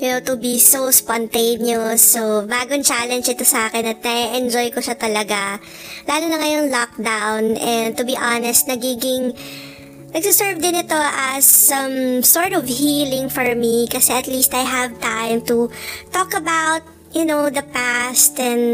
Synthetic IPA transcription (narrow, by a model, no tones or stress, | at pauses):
jʊnowt̪ʊbisospɔnt̪ẽɪnjɔsːobaːɡoŋt͡ʃalɛnd͡ʒɪt̪osɐʔaːkɛnɐt̪̚nɐɛʔɛnd͡ʒɔjkoʃat̪ɐlɐɡa | laːlonɐŋajoŋlɔk̚d̪awnɛ̃nd̪̚t̪ʊbiʔanɛst̪̚nɐɡiːɡɪŋ | nɐɡ̚sʊsɛɹvd̪ɪnɪt̪oʔɐsːɐ̃msɔɹt̪ɔvhiːlɪ̃ŋfɔɹmikɐsɛɐt̪list̪ajɦɐvt̪ãjmt̪ut̪ɔkɐbawt̪̚ | jʊnowd̪ɐpæst̪ɛ̃n